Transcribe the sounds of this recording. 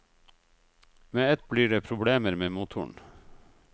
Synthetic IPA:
meːɛt̪̚bliːɖeːpʰɾʊbɽeːməɾmeːmuːt̪ʰʊ̰ɳ

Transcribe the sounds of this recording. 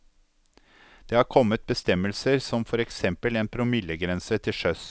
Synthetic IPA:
d̪̥eːhɑːɾkʰɔmːət̪̚bəst̪ɛməlsəɾsɔmfɔɾɛksɛmpəleːnpʰɾʊmɪləɡɾɛnsət̪ʰɪʂœs

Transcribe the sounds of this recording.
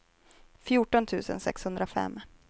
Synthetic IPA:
fjʊʈɔnt̪ʰʉ̟ːsə̰nsɛ̰kshɵnd̪ɾafɛ̰mː

